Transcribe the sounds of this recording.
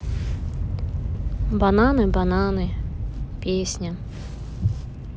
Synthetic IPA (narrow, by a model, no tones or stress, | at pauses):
bananɨbananɨpʲesʲnʲɐ